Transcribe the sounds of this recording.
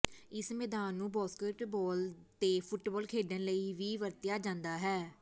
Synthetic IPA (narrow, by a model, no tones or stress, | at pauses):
ɪsmɛːd̪aːnːũːbɔːskəːʈʈbɔːlt̪eːpʰʊʈbɔːlkʰeːɖənləiːʋiːʋəɾt̪ɪjaːd͡ʒãːnd̪aːɦɛː